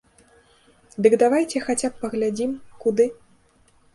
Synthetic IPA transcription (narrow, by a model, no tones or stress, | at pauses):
d̪ɨɡd̪avajt͡sʲɛxat͡sʲapːɐɣlʲad͡zʲimkud̪ɨ